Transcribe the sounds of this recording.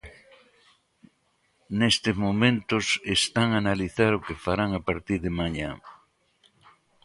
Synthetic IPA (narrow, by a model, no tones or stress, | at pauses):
nest̪ezmomẽnt̪osest̪aŋanaliθaɾʊkefaɾaŋapaɾt̪iɾðemaɲã̰